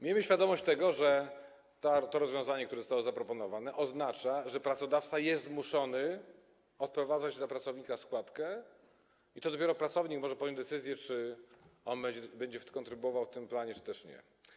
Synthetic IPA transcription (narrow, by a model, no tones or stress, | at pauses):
mʲejmɘɕfʲjad̪ɔmɔɕt͡ɕt̪ɛɡɔʐɛ | t̪at̪ɔɾɔzvʲjɔ̃w̃zaɲɛkt̪uɾɛzɔst̪awɔzapɾɔpɔnɔvanɛʔɔznat͡ʂaʐɛpɾat̪sɔd̪aft̪sajɛst̪muʂɔnɘ | ɔt̪̚pɾɔvad̪zad͡ʑzapɾat̪sɔvɲikaskwat̪kɛ | it̪ɔd̪ɔpʲɛɾɔpɾat̪sɔvɲikmɔʐɛpɔd̪jɔ̃wd̪ɛt̪sɘzʲjɛt͡ʂɘɔnbɛd͡ʑɛbɛɲd͡ʑɛkɔnt̪ɾɘbuwɔvawft̪ɘmplaɲɛt͡ʂɨ̥t̪ɛʂɲɛ̰